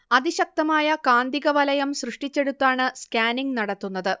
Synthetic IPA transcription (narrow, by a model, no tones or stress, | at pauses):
ɐðiɕɐk̚t̪ɐmaːjɐkaːnd̪iɣɐʋɐlɐjɐmsrɨʂʈit͡ɕːe̞ɽut̪ːaːɳɨskaːniŋɡnɐɽɐt̪ːunːɐðɨ